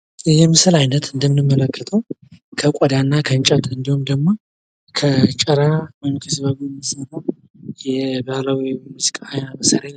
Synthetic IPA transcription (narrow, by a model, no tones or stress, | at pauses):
ɨjɛmɨsɨlajnət̪ʰɨnd̪əmɨnɨmːələkːət̪ʰəwkʰəkʷʼɔd̪anːakʰənt͡ʃʼət̪ʰʼɨnd̪ihumd̪əɡmo̞ | kʰət͡ʃʼəɾawjmkʰisbəɡujɛmːisənəw | jɛbalawimuzikʼaajnabəsaɾan